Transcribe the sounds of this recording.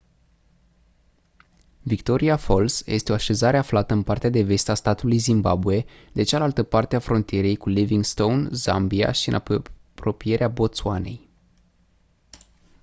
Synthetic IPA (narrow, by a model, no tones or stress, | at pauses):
vikt̪o̞ɾiafo̞lsjʔe̞st̪eo̞aʃe̞zaɾe̞aflat̪əɨnpart̪ead̪e̞ve̞st̪ast̪at̪ulujzimba̰bue̞d̪e̞t͡ʃalalt̪əpart̪eafɾo̞nt̪ije̞ɾe̞jkuliviŋɡst̪ownza̰mbia̰ʃiɨ̰na | pɾo̞pije̞ɾeabo̞t̪sua̰ne̞j